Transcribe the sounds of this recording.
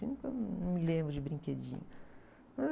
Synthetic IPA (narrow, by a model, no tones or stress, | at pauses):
nũkɐñmɪlẽmbɾʊd͡ʒɪbɾĩked͡ʒḭ̃ɲɐ | mɐz